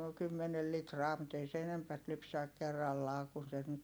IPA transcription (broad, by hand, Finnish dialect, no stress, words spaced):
kymːenel litrɑː mut ei se enempæt lypsæk̆ kerːɑlːɑː kun sen nyt